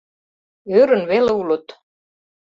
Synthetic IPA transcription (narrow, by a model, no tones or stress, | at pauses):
ʏːɾʏnvɛːlwlut̪